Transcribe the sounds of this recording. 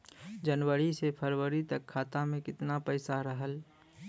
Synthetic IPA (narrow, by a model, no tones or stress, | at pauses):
d͡ʒənwəɾisepʰəɾwəɾit̪əkʰːaːt̪amẽkɪt̪napəɪsaɾəɦəl